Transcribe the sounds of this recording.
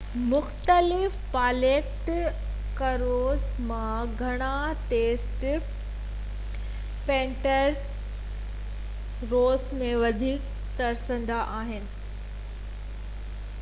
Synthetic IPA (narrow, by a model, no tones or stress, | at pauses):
mʊxt̪əlɪfpaːleːkʈ | kɐɾoːz | mãɡʱɐɽ̃aʈeːsʈ | pẽːɳʈəɾs | ɾoːsmẽʋɐd̪ʱiːk | t̪ɐɾsə̃nd̪aʔaːɦɪnɪ̆